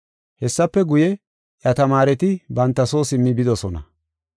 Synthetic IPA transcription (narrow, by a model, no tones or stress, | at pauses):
hɛsːɐpːɛɡʊjɛ | ʔjɐt̪ɐmaːɾɛt̪ɪbɐnt̪ːɐso̞ːsɪmːɪbɪd̪ɔsɔnɐ̰